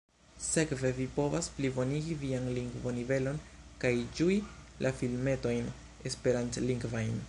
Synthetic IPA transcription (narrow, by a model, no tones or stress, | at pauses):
se̞kve̞vipo̞vasplibo̞niɡivianliŋɡvo̞nive̞lo̞nkajd͡ʒui | lʔafilme̞to̞jn | espe̞ɾantliŋɡvajn